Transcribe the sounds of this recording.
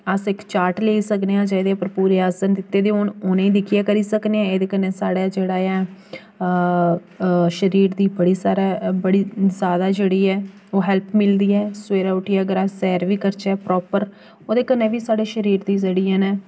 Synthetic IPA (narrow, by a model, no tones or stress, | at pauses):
əsɪkt͡ʃaːɾʈleːiːsəkd̪eãːd͡ʒd̪eːpəɾpuːɾeːaːsənd̪ɪt̪ːeːd̪eːɦoːnʊnẽĩːd̪ɪkʰɪjaːkəɾiːsəkneːãːeːd̪eːkənːeːsaːɽaːd͡ʒeːɽaːjɛː | ʃəɾiːɾd̪iːbəɽiːsaːɾaːbəɽiːzjaːd̪aːd͡ʒeːɽiːɛː | oːɦɛlpʰmɪld̪iːɛːsweːɾaːʊʈiːɛːəɡəɾaːsɛːɾʋiːkəɾt͡ʃɛːpɾɔːpəɾ | oːd̪eːkənːeːʋiːsaːɽeːʃəɾiːɾd̪iːd͡ʒeːɽiːãːnɛː